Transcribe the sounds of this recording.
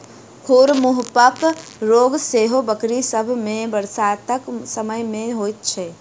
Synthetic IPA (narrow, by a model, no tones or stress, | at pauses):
kʰuɾmuɦpəpɾoɡseɦobəkɾisəbʱmẽbəɾsat̪əksəməjmeɦojt̪̚t͡ʃʰɛ